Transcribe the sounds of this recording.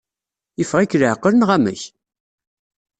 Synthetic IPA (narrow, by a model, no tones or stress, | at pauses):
jəfʁækːləʕəqːələnʁæmə̰ç